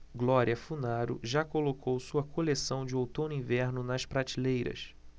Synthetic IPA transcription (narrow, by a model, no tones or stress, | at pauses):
ɡlɔɾiɐfunaɾʊ̰ʒakolokʰowsuɐkʰolesɐ̃w̃d͡ʒɪowt̪õnʊĩvɛɾnʊnɐʃpɾat͡ʃilejɾɐ̰s